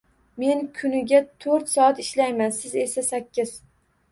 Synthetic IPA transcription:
me̞nkʰʊnɪɡʲat̪ʰɵɾt̪sɒat̪ɪʃlajmansɪze̞sasakʲːɪz̥

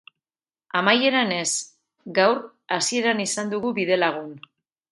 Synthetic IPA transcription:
amaje̞ɾane̞s | ɡawr | asie̞ɾanisand̪uɣuβiðe̞laɣ̞un

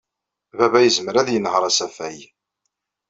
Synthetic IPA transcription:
βæβæjəzməɾæðjənːhəɾˤæsæfæj

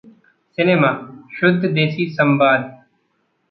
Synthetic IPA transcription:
sɪneːmaːʃʊd̪ʱd̪eːsiːsəmbaːd̪

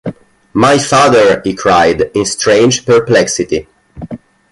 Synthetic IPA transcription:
majfaðəɹhikʰɹajdĩnst̪ɹẽj̃nd͡ʒpəɹplɛksit̪i

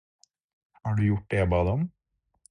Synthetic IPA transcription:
hɑːɖʉjʊʈ̚ɖ̪ɛbɑːd̪ɔm

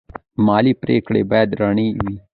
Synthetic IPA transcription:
maːliːpɾeːkɽḛːbɛːd̪ɾəɳ̃iːiː

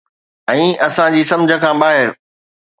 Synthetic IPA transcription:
ɛ̃ːɐsãd͡ʑiːsɐ̃md͡ʑʱə̆kʰãːɓaːɦɪɾ

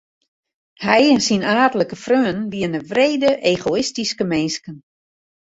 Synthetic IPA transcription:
hɛjnsinaːdələkəfrøːənʋiənəʋreːdəʔeːɣoɪstiskəmenskən

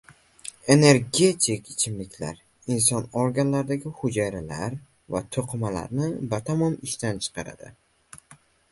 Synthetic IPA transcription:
e̞ne̞ɾɡʲe̞t̪ʰikɪt͡ʃʰɪmlɪkʲla̰ɾ | insɒnoɾɡʲanlaɾd̪aɡʲɪhʊd͡ʒajɾala̰ɾ | va̰t̪ʰoqʰmala̰ɾnɪbat̪ʰamɒmɪʃt̪ant͡ʃʰɨ̥qʰɑɾa̰d̪̥ɪ̰

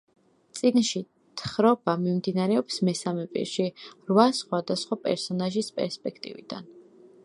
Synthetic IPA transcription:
t̪sʼinʃi | t̪ʰχɾɔbamimd̪inaɾɛɔpsmɛsamɛpʼḭɾʃiɾvasχwad̪asχwapʼɛ̰ɾsɔnaʒispʼɛ̰ɾspʼɛkʰt̪ʼḭvḭd̪a̰n

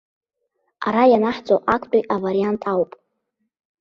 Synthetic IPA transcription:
a̰ɾajanaħd͡zʼoʔakʷʰʼt͡pʷʼiʔavaɾiantʼawpʼ

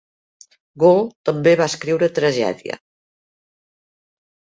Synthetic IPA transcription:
ɡolt̪əmbeβaəskɾiwɾət̪ɾəʒɛ̰ðiə̰

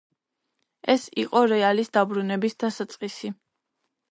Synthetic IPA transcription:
ɛsiqʼɔɾɛalisd̪abɾunɛbisd̪̥asat̪sʼqʼisi

